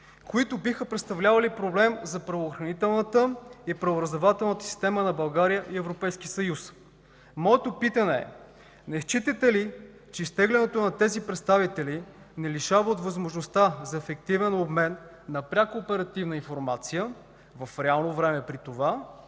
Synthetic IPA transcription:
koit̪obixəpɾɛt̪st̪ɐvlʲavɐlipɾoblɛmzɐpɾɐvoːxɾɐnit̪ɛlˠnət̪əipɾɐvoɾəzd̪ovat̪ɛlˠnət̪ə̥si̥st̪ɛmənɐbɐlˠɡaɾijəʔiɛvɾopɛjsk̟ʲisɐjus | mɔɛt̪opit̪ɐnɛɛ̰ | nɛʃt͡ʃit̪ət̪ɛli | t͡ʃɛist̪ɛɡlɛnɛt̪onɐt̪ɛzipɾɛt̪st̪avit̪ɛli | nɛliʃavəot̪vɐzmoʒnost̪azɐɛfɛk̚t̪ivɛnobmɛnː | ɐpɾʲakːpɛɾɐt̪ivnəinfoɾmat̪sijə | vɐfɾɛalˠnovɾɛmɛpɾit̪ova

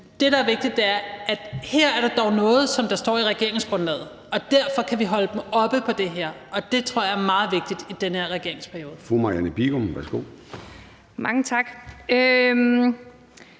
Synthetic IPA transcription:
d̥e̝ɾɑ̈æɐʋe̝ɡ̥̚d̥id̥eæɐæd̥heɐ̰æɐɾ̥ɑ̈d̥ɒʊnɔ̽ːð̞̩ˠsɒ̽md̥ɑ̈sd̥ɒ̰ːiʁɛɡ̥e̝ɐe̝ŋsɡ̥ʁɔ̽nlɛ̰ːð̩ˠ | ɒ̽d̥æɐfɒ̽kʰæʋiɦɒ̽ləd̥em̩ɒ̽b̥əpʰɒ̽d̥e̝ɦeɐ̰ɒ̽d̥e̝t͡sʰʁo̰ɐ̰jɑæɐmɑ̈ːð̞̩ˠʋe̝ɡ̥̚d̥id̥id̥enəɐʁɛɡ̥e̝ɐ̰e̝ŋspʰæɐjo̝ːð̩ˠfumɑ̈jænəb̥iɡ̥omʋæɐsɡ̥o̝̰ː | mɑ̈ŋət͡sʰɑ̈ɡ̥øm

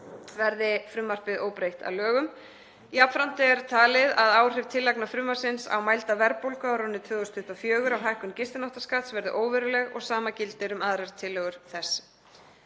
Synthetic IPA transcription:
vɛɾðɪfɾʏmːar̥pɪðoːwpɾejht̪a̰wlœːɣʏm | iapfɾawn̥t̪ɪɛɾt̪ʰaːlɪðaðaːwr̥ɪvt̪ʰɪlːaknafɾʏmːaɾ̥sɪnsa̰wmajlt̪avɛɾpowlkawɾɔnːɪt̪ʰvʏːɣɔst̪ʰʏht̪afjœːɣʏɾawɦajhkʏmcɪst̪ɪnɔwht̪ḁskaːt̪svɛɾðɪ̰ʔoːwvɛɾʏlɛɣɔ̰ɣsaːmacɪlt̪ɪɾʏmaːðɾɛɾ̥t̪ʰːɪlːœːɣʏɾ̥θɛs

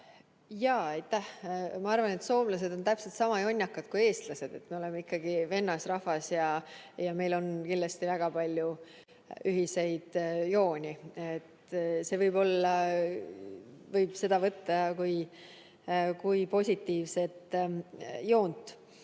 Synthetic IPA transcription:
jɑːɑjt̪ːˑæhmɑɑrvɑne̞t̪so̞ːmlɑs̬e̞d̪̥o̞nt̪æpse̞lt̪sɑmɑjo̞nʲːɑkːɑd̪̥̚kuje̞ːst̪lɑse̞d̪̥e̞t̪me̞o̞le̞meikːɑɡ̥ive̞nːɑsrɑhvɑsjɑ | jɑme̞jlo̞nkind̪lɑst̪ivæɡ̥ɑpɑlʲju | yɦise̞jd̪̥jo̞ːnʲiet̪se̞ːvɤjb̥o̞lːɑ | vɤjb̥se̞d̪̥ɑvɤt̪ːɑkuj | kujpo̞sʲit̪ːiːvse̞t̪ | jo̞ːnt̪ːˑ

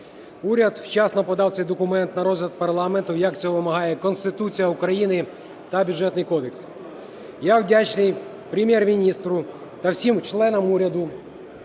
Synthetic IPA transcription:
uɾʲɐd̪wt͡ʃɑsnɔpɔd̪ɑwt̪sɛjd̪ɔkʊmɛnt̪nɐɾɔzʲlʲɐt̪̚pɐrlˠɑment̪ʊjɐk̪t͡sʲɛɔʋɪmɐɦɑjɛkɔnst̪ɪt̪ut͡sʲijɐukɾɐjinɪ | t̪ɐbʲʊdd͡ʒʐɛt̪nɪjkɔd̪eks | jawdʲat͡ʃnɪj | pɾʲɪmʲjɛrmʲinʲist̪ɾʊ | t̪ɐwsʲimt͡ʃlˠɛnɔmuɾʲɐd̪ʊ

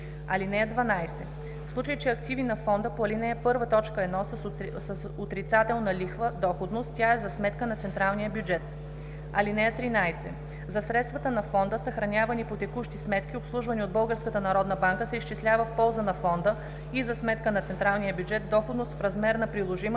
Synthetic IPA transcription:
ɐlinɛəd̪vɐnajsɛ | fslˠut͡ʃəjit͡ʃɛɐkt̪ivinɐfɔnd̪əpoɐlinɛɛpɤɾvət̪ɔt͡ʃkəɛd̪nɔs | səsot̪ɾit̪sat̪ɛlˠnɐlixvəd̪ɔxod̪nost̪t̪ːʲjaɛzɐsmɛt̪kənɐt̪sɛnt̪ɾalˠnijəbʲjud͡ʒɛt̪ | ɐlinɛət̪ɾinajsɛ̰ | zɐsɾɛt̪st̪vɐt̪ənɐfɔnd̪əsɐxɾɐnʲavɐnipot̪ɛkuʃt̪ismɛt̪k̟ʲiopslˠuʒvɐniod̪̚bɤlˠɡəɾskət̪ənɐɾɔd̪nɐbaŋkəsɛiʃt͡ʃɛslʲavəfpɔlˠzənɐfɔnd̪ə | izɐsmɛt̪kənɐt̪sɛnt̪ɾalˠnijəbʲjud͡ʒɛt̪̚d̪ɔxod̪nost̪fɾɐzmɛɾnɐpɾilˠoʒimə

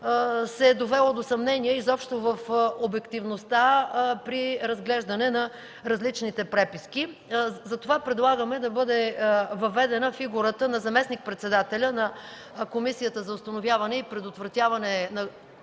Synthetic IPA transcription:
sɛd̪ovɛlˠod̪osɐmnɛniəizɔpʃt̪ovəfobɛkt̪ivnost̪apɾiɾɐzɡlɛʒd̪ɐnɛnɐ | ɾɐzlit͡ʃnit̪ɛpɾɛpiskizɐt̪ovapɾɛd̪lˠaɡəmɛd̪ɐbɤd̪ɛvɐvɛd̪ɛnəfiɡuɾət̪ənɐzɐmɛsnik̚pɾɛt̪sɛd̪at̪ɛlʲənɐ | komisijət̪əzɐʊst̪ɐnovʲjavɐnɛipɾɛd̪ot̪vɾɐt̪ʲjavɐnɛnɐ

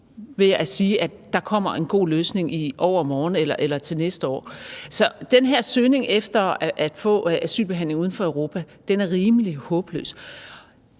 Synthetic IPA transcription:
ʋe̝æsiːʔæ̥ːɑ̈kʰɒ̽m̰ɐʔe̝nɡ̥o̝̰ːløːsne̝ŋiʔɒʊ̰ɐmɒːn̩elɐʔelɐt͡sʰe̝lnesd̥əɒ̰ːsɒ̽d̥enɦeɐ̰søːne̝ŋʔefd̥ɐʔæd̥fɔ̰̽ːʔæsy̰ːlb̥e̝ɦæn̰le̝ŋuðˠn̩fɒ̽œʊʁo̝ːpʰæ | d̥enæɐʁiːmlihɔ̽ːb̥lø̰ːs

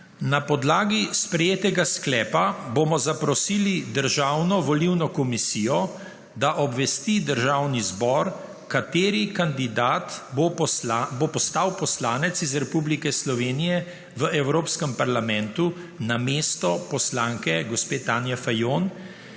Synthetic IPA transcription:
napɔd̪laːɡispɾɛjeːt̪ɛɡasklɛːpabomɔzapɾɔsilid̪əɾʒaːwnɔʋɔliwnɔkɔmisiːjɔ | d̪aʔɔbʋɛst̪id̪əɾʒawnizbɔɾ | kat̪eːɾikand̪id̪aːt̪bobopɔst̪awpɔslaːnɛt̪sizɾɛpublikɛslɔʋeːnijɛ | ʋəɛwɾoːpskəmpaɾlamɛ̃nt̪unameːst̪ɔpɔslaːŋkɛɡɔspeːt̪aːnjɛfajon

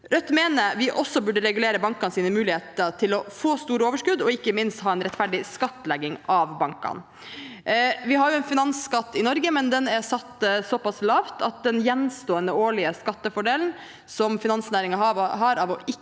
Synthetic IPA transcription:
ɾœt̪ːmeːnəɾʋɪʔɔsːɔbʉɖəɾɛɡʉleːɾəbɑŋkɑnsiːnəmʉːlɪheːt̪əɾt̪ʰɪlɔfoːst̪uːɾəoːʋəʂkʉd̪ɔɪkːəmɪnst̪hɑːɛnɾɛt̪fæɖɪskɑt̪ːlɛɡɪŋɑʋbɑŋkɑ̰n | ʋɪɦɑɾjʊɛnfɪnɑnskɑt̪ːɪnɔɾɡəmɛnd̪ɛnæɾsɑt̪ːsɔpɑslɑːʋt̪ʰɑt̪̚d̪ɛnjɛnst̪oːənəoːɭɪəskɑt̪ːəfɔɖeːln̩ | sɔmfɪnɑnsnæːɾɪŋɑɦɑɾɑʋɔɪ

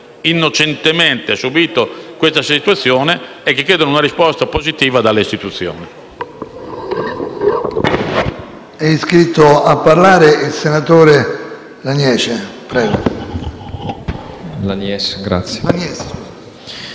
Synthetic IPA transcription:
inːot͡ʃent̪emɛnt̪easubiːt̪okwest̪asit̪uat̪sːjɔːne | ɛkːikːɛːd̪onunaɾispɔst̪apozit̪iːvad̪alːeist̪it̪ut̪sːjɔ̰ːnɛ | ɛiskɾit̪ːoapːaɾlaːɾeilsenat̪oːɾe | lanjɛːt͡ʃepɾɛːɡo | lanjɛsɡɾa̰t̪sːjeanjɛs

